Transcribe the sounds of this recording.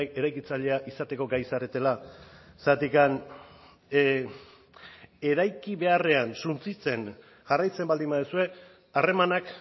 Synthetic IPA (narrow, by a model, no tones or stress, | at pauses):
eɾajkit͡saʎe̞aʔisat̪e̞ko̞ɡajsaret̪e̞lasat̪ikan | e̞ɾajkiβe̞are̞ansunt͡sit͡se̞n | ʝarajt͡se̞mbald̪imbaðusue̞ | are̞manak